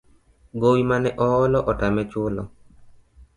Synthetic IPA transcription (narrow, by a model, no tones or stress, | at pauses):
ɡowimanɛʔɔɔlɔʔɔtamɛt͡ʃʊlɔ̰